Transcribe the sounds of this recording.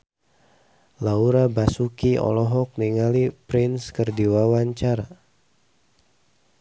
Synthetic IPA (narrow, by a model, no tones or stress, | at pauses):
lauɾabasukiɔ̰lɔɦɔk̚niŋalipɾɪnskərdiwawaɲt͡ʃaɾa